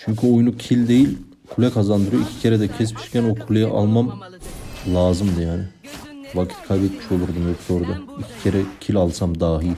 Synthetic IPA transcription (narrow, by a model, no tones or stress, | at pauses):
t͡ʃʰyɲʲcʰyo̞junucʰilʲd̪e̞jilʲ | kʰulʲɛkʰazand̪ɯɾɯjoicʰi̥cʰeɾɛd̪ɛcʰɛspʰi̥ʃi̥cʰʲænokʰulʲˠejɛʔa̰lˠmam | lˠaːzɯmd̪ɯjaːnɪ | vakʰi̥t̪kʰajbɛt̪miʃo̞lˠuɾd̪umjo̞kd̪o̞ːɾud̪aicʰi̥cʰeɾɛcʰilʲalˠsamd̪aːɦij